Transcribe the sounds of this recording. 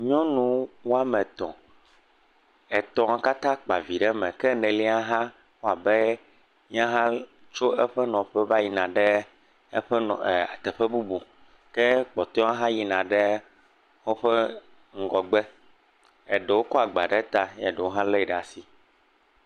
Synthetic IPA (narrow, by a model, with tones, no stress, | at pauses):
ɲɔ̃˦nũ˨˦wo˦a˦mɛ̃˨t̪ɔ̰̃˨ | ɛ˨t̪ɔ̃˨a˨ka˦t̪ã˦k͡pa˨vi˨ɖɛ˦mɛ̃˨kɛ˦nɛ̃˨li˦a˦ɦã˦ | wo˦a˨bɛ˦ | ɲ˦ã˦ɦã˦ | t͡ʃo˦ɛ˦ɸɛ˦nɔ̃˨ɸɛ˦va˦ji˨nã˨ɖɛ˦ | ɸɛ˦nɔ̃˨a̰˨t̪ɛ˨ɸɛ˦bu˦bu˨ | kɛ˦k͡pɔ˨t̪ɔ̃˦a˦ɦã˦ji˨nã˨ɖɛ˦ | xo˦ɸɛ˦ | ŋ̩˦ɡɔ˨ɡ͡bɛ˦ | ɛ˨ɖɛ˨wo˦kɔ˦a˨ɡ͡ba̰˨ɖɛ˦t̪a˦ɲ˦ɛ˨ɖɛ˨wo˦ɦã˦lɛ˦˨ɖa˨si˨